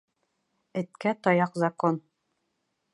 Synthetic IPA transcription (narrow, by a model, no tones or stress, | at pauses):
ɘ̆t̪̚kæt̪ɒjɑqzɐkon